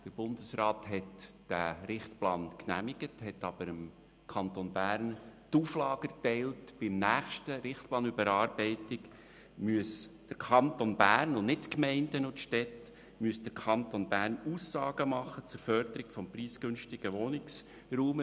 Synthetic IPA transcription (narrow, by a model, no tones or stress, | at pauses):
d̪̥əɾb̥ʊnd̪əsrɑːt̪hɛtd̥æɾɪχt̪plɑːnknæ̰miɡəthɛtːɑb̥əɾəm | kʰɑnt̪onbæːɾntuːflɑːɡ̥ətɛɪltb̥ɪmnæːχʃtəɾɪχt̪̚plɑːnybəɾɑːɾbɛɪtɪk | myəsd̥əɾkʰɑnt̪onbæːrnʊnnɪtkmɛɪndənʊtʃtɛt | myəsd̥əɾkʰɑnt̪onbæːɾnuːsːɑːɡ̥əmɑχːət͡sʊɾfœɾd̪əɾɪkfɔmpriːsɡ̥ɵnʃtɪɡ̥əʋɔnɪks | ruːm